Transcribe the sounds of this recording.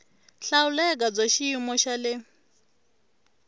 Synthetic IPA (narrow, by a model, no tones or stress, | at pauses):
ɬaulɛk̬ʼab͡ʐaʃiimɔʃalɪ